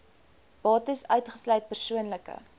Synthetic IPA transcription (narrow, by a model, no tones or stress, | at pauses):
b̥ɑːtəsœɥtχəslœɥt̚pərsuənləkə̰